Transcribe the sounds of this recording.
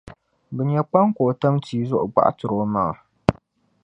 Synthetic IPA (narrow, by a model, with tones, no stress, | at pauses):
bɨ˨ɲjɛ˦k͡pa˦ŋkʷoː˨tɐ˦mtiː˦zʊ˦ʔʊ˨ɡ͡ba̰˦ʔtʊ˨ɾoː˦maː˦˨